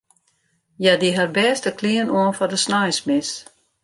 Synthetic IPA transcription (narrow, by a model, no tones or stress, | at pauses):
jadiɦarbɛːstəkʰliənoənfɔrdəsnajsmɪs